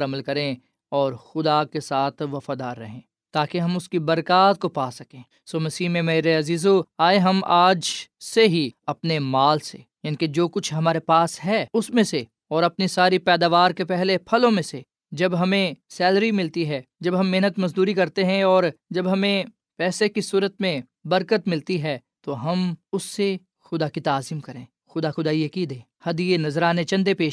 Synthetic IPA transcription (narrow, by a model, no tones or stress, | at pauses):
ɾɐməlkɐɾẽ | ɔːɾxʊd̪akesaːt̪ʰʋɐfaːd̪aːɾːɐɦẽː | t̪aːkeɦɐ̃mʊskibɐɾkaːt̪̚kopaːsɐkẽː | soːmɐsiːɦmẽmɐjɾeɐziːzoaːeɦɐmaːd͡ʒseɦiɐpnemaːlsejɐniked͡ʒoːkʊt͡ʃʰɦɐmaːɾepaːsɦɛːʊsmẽse | ɔːɾɐpnisaːɾipɛːd̪aːʋaːɾkepɛɦlepʰɐlõmẽse | d͡ʒɐbɦɐmẽsɛːlɾimɪlt̪iɦɛːd͡ʒɐbɦɐmːeɦnət̪mɐzd̪uːɾikɐɾt̪eɦɛ̃ɔːɾd͡ʒɐbɦɐmẽ | pɛːsekisuːɾət̪mẽ | bɐɾkət̪mɪlt̪iɦɛːt̪oɦɐmʊsːe | xʊd̪akit̪aːzimkɐɾẽː | xʊd̪axʊd̪aːiɐkiːd̪ẽː | hɐd̪ienɐzɾaːnet͡ʃɐ̃nd̪epeːʃ